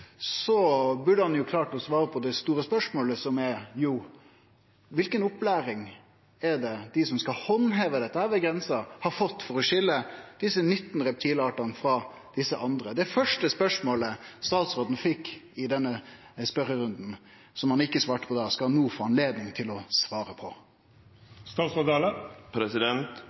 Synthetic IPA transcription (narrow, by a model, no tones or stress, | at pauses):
sɔbʉɖəhɑnjʊkʰlɑːʈɔsʋɑːɾəpʰɔd̪ɛst̪uːɾəspœʂmoːləsɔmɛjuː | ʋɪlkənʊplæːɾɪŋ | ɛd̪ɛd̪̥ɪsɔmskɑhɔnɦɛʋəd̪ɛt̪ːəhæːɾʋɛɡɾɛnsɑhɑɾfɔt̪ːfɔɾɔʂɪlːəd̪̥ɪsənʏt̪ːn̩ɾɛp̚t̪ʰiːlɑːʈɑnəfɾɑ | d̪̥ɪsːəʔɑnd̪ɾəd̪ɛæɾfœʂʈəspœʂmoːləst̪ɑːt̪sɾoːd̪n̩fɪkːɪd̪ɛnːə | spœɾəɾʉnd̪n̩ | sɔmhɑnɪkːəsʋɑːʈə̥pʰɔd̪ɑːskɑnuːfoːɑnleːd̪nɪŋt̪ʰɪlɔsʋɑːɾəpʰɔ | st̪ɑːt̪sɾod̪ɑləpʰɾɛsɪd̪ɛnt̪